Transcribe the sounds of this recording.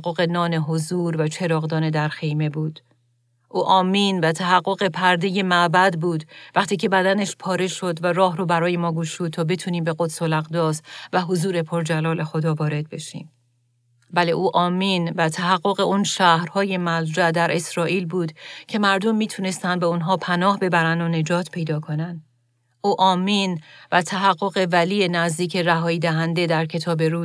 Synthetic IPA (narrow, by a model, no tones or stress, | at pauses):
qːo̞ɣe̞nɒːne̞ɦo̞zuːɾvæt͡ʃʰe̞ɾɒːɣd̪ɒːne̞d̪æɾxe̞jme̞buːd̪̥ | ʔuːʔɒːmiːnvæt̪ʰæɦæɡːo̞ɣepʰæɾd̪eje̞mæbæd̪buːd̪væχt̪ʰiːcʰe̞bæd̪æneʃpʰɒːɾe̞ʃo̞d̪væɾɒːhɾobæɾɒːje̞mɒːɡuʃuːd̪̚t̪ʰɒːbe̞t̪ʰuːniːmbe̞ɣod̪solæɣd̪ɒːsvæɦozuːɾe̞pʰo̞ɾd͡ʒælɒːle̞xo̞d̪ɒːvɒːɾe̞d̪̚be̞ʃḭːm | bæle̞ʔuːʔɒːmiːnvæt̪ʰæɦæɡːoɣe̞ʔunʃæːhɾhɒːje̞mæld͡ʒæd̪æɾʔe̞sɾɒːʔiːlbuːd̪cʰe̞mæɾd̪o̞mːiːt̪ʰune̞st̪ænd̪beunɦɒːpʰænɒːhbe̞bæɾænd̪one̞d͡ʒɒːt̪ʰpʰe̞jd̪ɒːkʰo̞næn | ʔuːʔɒːmiːnvæt̪ʰæɦæɢːo̞ɣe̞væliːje̞næzd̪iːcʰe̞ɾæɦɒːiːd̪æɦænd̪e̞d̪æɾcʰe̞t̪ʰɒːbe̞ɾuː